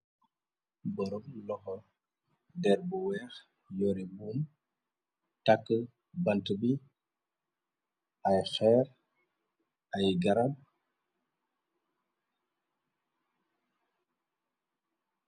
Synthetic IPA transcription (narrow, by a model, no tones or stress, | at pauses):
bɔɾɔmlɔhɔ | dɛɾbuwɛx | joɾibum | takːə | bantəbi | ʔajxɛɾ | ajɡaɾad̚